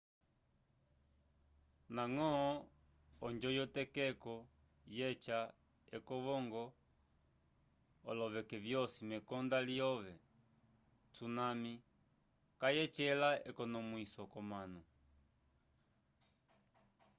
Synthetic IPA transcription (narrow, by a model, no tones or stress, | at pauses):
naŋɔɔ | ɔɲd͡ʒɔjɔtɛkɛkɔ | jɛt͡ʃa | ɛkɔʋɔŋɡɔ | ɔ̰lɔʋɛkɛvjɔsimɛkɔndaliɔʋɛ | t͡sunami | kajɛt͡ʃɛlaɛkɔnɔmwisɔkɔmanu